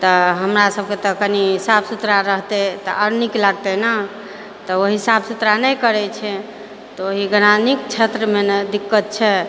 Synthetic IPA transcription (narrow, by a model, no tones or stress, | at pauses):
t̪ɔɦəmɾasəb̚ket̪ɔkəniɦsabsut̪ɾaɾəɦt̪ɛt̪ɔʔəɾniklaɡ̚t̪ɛnə | t̪ɔoɦisabsut̪ɾanɛjkəɾɛt͡ʃʰɛ | t̪ɔoɦiɡənanikt͡ʃʰet̪ɾəmend̪ikːət̪̚t͡ʃʰɛ